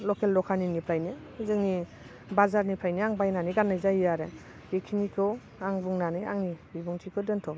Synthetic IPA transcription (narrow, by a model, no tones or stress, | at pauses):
lɔkʰelːɔkʰaninŋipʰajni | zɯŋni | bazaɾnipʰajniaŋbajnaniɡanːajzajijaɾe | ɡekʰinikʰɔ | aŋbuŋnania̰ŋnibibuŋtʰikʰɯdɯntʰɔb